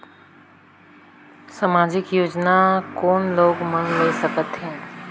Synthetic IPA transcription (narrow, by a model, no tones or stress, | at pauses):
samaːd͡ʒɪkjoːd͡ʒnakɔːnloːɡmənleːsəkət̪ɦɛ̃ː